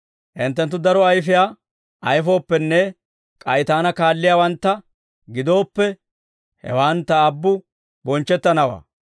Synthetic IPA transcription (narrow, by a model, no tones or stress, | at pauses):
ʔɪnt̪ːɛnt̪̬ːʊd̪ɐɾɔɐjfɪjaː | ʔɐjfo̞ːpːɛnːɛ | kʼɐjt̪aːnɐkaːlːɪjaːwɐnt̪ːɐ | ɡɪd̪o̞ːpːɛ | hɛ̰waːnt̪ːɐːbːʊ | bɔnt͡ʃːɛt̪ːɐnɐwa̰ː